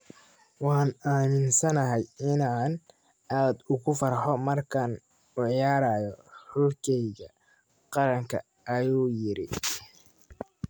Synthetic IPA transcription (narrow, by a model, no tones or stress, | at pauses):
wɑːnaːmɪnsɐnɐɦɛjɪnaːn | ʔaːd̪ʊɣʊfɐrħɔmɐrkʰan | ʊʕjaːɾaːjɔhʊlkʰɛjɣɐ | qɑɾɐŋkʰɐ̰ | ɐjuːjɪɾɪ̰